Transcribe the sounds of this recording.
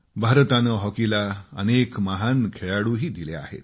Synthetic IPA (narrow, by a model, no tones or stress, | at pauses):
bʱaɾt̪anəɦɔkilaənekməɦankʰeɭaɽuːɦiːd̪ilea̰hḛt̪